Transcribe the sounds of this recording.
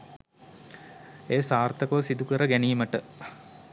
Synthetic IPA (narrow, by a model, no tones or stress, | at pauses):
eːsaːrt̪ɐkəʋəsid̪ukəɾəɡæniːməʈə